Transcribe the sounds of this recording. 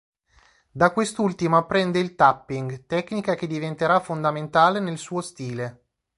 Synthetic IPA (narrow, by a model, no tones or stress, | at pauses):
d̪akːwest̪ult̪imoapːɾɛnd̪eilt̪apːiŋɡt̪ɛkːnikak̟ed̪ːivent̪eɾafond̪ament̪aːlenelsuːost̪iːle